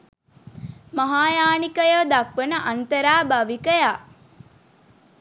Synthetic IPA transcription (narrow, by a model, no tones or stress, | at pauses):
mɐɦaːjaːnikəjoːd̪ɐkʋənəʔɐnt̪əɾaːbɐʋikəjaː